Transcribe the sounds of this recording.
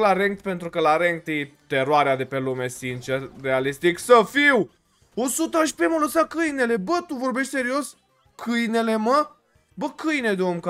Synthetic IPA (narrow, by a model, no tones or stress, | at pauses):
laɾeŋkt̪pe̞nt̪ɾukəlaɾeŋk̚t̪jet̪e̞ɾoaɾead̪e̞pe̞lume̞sint͡ʃerːealist̪iksəfiw | o̞sut̪əaʃpemələsakɨjne̞le̞bət̪uvo̞rbeʃt̪se̞ɾio̞s | kʰɨjne̞le̞mə | bəkɨjned̪omka